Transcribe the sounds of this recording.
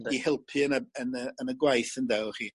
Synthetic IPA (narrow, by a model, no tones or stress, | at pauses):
ihɪlˠpʰɨənəənəənəɡwajθəndɛwχiː